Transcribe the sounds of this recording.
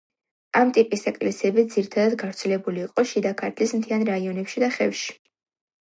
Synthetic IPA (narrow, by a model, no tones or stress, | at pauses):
amt̪ʼipʼisɛkʼlɛsiɛbid̪ziɾit̪ʰad̪ad̪ɡavɾt̪sʰɛlɛbuliːqʼɔʃid̪akʰaɾt̪ʰlismt̪ʰianɾaiɔnɛpʃid̪aχɛfʃi̥